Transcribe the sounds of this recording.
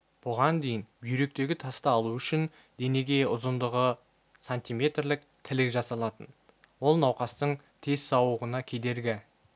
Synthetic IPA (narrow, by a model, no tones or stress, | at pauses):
b̥ʊʁɑnd̪e̞jɪnbjɾe̞k̚t̪e̞ɡʲɪt̪ʰɑst̪ɑːlˠuʏʃɪn | d̪e̞ne̞ɡʲe̞ʊzənd̪əʁə | sanʲt̪ijmʲe̞t̪rlɪk̚ | t̪ʰɪlɪkʒɑsɑlˠɑt̪ən | wo̞lˠnɑwqɑst̪əɴ | t̪ʰe̞zsɑwəʁənɑkʲʰe̞d̪e̞ɾɡʲɪ